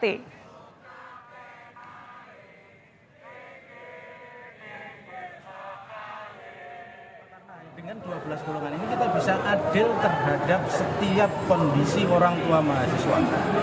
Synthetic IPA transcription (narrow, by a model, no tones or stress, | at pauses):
e | karnad̥əŋanduabəlasɡ̪oloŋaninikit̪abi̤saʔad̥ɪlt̪ərɦadap̚sət̪iap̚kɔndisioɾaŋuamaɦasiswa̰